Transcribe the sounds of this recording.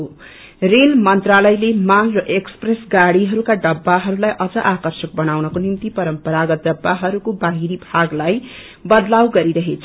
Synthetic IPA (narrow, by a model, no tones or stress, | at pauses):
relmʌnt̪ralʌjlemanrʌʔekspresɡaɽiɦʌɾukaɖʌbːaɦʌɾulajʔʌd͡zʌʔakʌrsʌk̚bʌnawnʌkonimt̪ipʌɾʌmpʌɾaɡʌt̪̚ɖʌbːaɦʌɾukobaɦiɾibʱaɡlaj | bʌd̪lawɡʌɾiɾʌɦet͡sʰ